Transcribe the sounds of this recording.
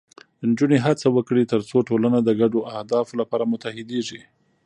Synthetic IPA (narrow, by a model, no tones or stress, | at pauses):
ənd͡ʒuneɦat͡sawəkɽit̪əɾt͡soʈolanad̪əɡaɖoʔahd̪ɑflapɑɾamʊt̪ahɪd̪eʐi